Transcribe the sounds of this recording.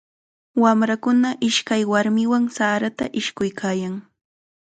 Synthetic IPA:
wamɾakʊnaʔɪʃkajwaɾmɪwaŋsaːɾat̪aʔɪʃkʊjkʰaːjaŋ

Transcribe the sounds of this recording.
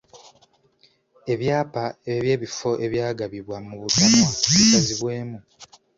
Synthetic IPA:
e̞βjaːpaeβje̞ːβifo̞ʔe̞βjaːɡaβiβwamuβutamoikaziβwe̞ːmu

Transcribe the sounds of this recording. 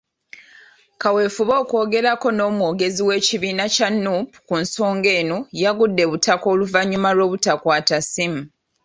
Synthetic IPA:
kawe̞ːfuβo̞ːko̞ːɡe̞ɾako̞no̞ːmwoːɡe̞ziwe̞ːciβiːnacanːupu̥kunso̞ːŋɡe̞ːnojaɡudːe̞βutako̞ːluvaɲːumalo̞ːβutakwaːtasimu

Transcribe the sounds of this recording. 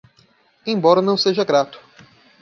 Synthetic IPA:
ẽj̃bɔɾɐnɐ̃w̃seʒɐɡɾat̪ʊ̥

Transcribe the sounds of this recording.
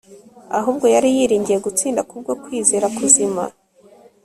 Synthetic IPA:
aɦuːbɡo̞jaɾijiːɾiːɲɟije̞ɡut͡siːndakub̚ɡo̞kwiːzeːɾakuzima̰

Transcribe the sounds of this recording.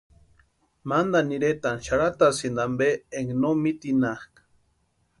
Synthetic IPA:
mand̪aniɾet̪anʃaɾat̪asind̪ambeeŋnomit̪inahkḁ

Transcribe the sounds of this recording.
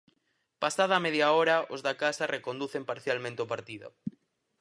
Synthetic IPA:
pasaðaːmeðjaoɾaʔozðakasarekond̪uθempaɾθjalmẽnt̪eopaɾt̪iðo̰

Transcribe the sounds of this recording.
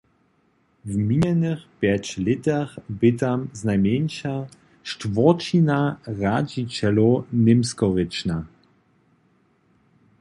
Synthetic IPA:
vmiɲɛnɪxpjɛt͡ɕlɪtaxbɪt̪amznajmjɛnʃa | ʃtvɔt͡ʃinaʁad͡ʑit͡ɕɛlonɪmskɔʁɪt͡ʃna

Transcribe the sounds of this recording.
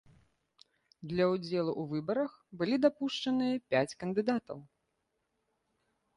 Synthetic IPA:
d̪lʲɐud͡zʲɛlˠuʔuvɨbɐɾɐxbɨlʲid̪apuʂt͡ʂɐnɨjɐpʲæt͡sʲkɐnd̪ɨd̪at̪ɐ̰w

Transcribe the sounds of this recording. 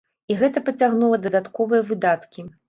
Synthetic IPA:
iɣɛt̪ɐpɐt͡sʲaɣnulˠɐd̪ɐd̪at̪kɔvɨjɐvɨd̪at̪kʲi

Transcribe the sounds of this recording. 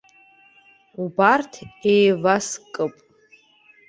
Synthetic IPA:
ubartʰejvaskʼɨpʼ

